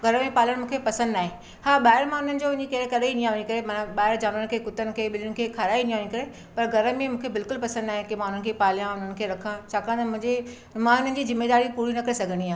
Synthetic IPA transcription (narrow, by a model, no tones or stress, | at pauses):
ɡʱɐɾəmẽpaːləɽ̃mũːkʰepɐsə̃nd̪naːɦẽ | haːɓaːɪɾmãʊn̤ənɪ̆d͡ʑoʊ̃nɪ̃d͡ʑikeɾkɐɾeinĩaːʋʊɲĩkɐɾemanaɓaːɪɾd͡ʑaːnənɪ̆kʰeːkʊt̪ənɪ̆kʰeːɓɪlənɪkʰeːkʰaːɾaːinĩãːʋɲɪkɐɾe | pɐɾɡʱɐɾə̆mẽmũːkʰebɪlkʊlpɐsə̃nd̪naːɦẽkemãʊn̤ənɪ̆kʰeːpaːlijãʊn̤ənɪ̆kʰeːɾɐkʰãt͡ɕʰaːkãt̪mʊ̃ɦɪ̃ɲd͡ʑe | mãʊn̤ənɪ̆d͡ʑiːzɪmːeːd̪aːɾipuːɾinɐkɐɾesɐɡʱəɽiãː